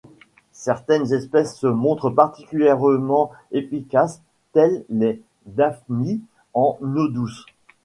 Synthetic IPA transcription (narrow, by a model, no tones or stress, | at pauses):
sɛʁt̪ɛnzɛspɛsːəmɔ̃t̪χəpaʁt̪ikʲyljɛʁmɑ̃efikas | t̪ɛllɛ | d̪afni | ɑ̃nod̪us